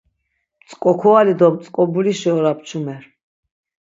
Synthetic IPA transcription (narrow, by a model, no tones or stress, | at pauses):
mt̪t͡s̪ʼkʼɔkʰɔalid̪ɔmt̪t͡s̪ʼkʼɔbuliʃɛɔɾap̚t͡ʃʰumɛɾ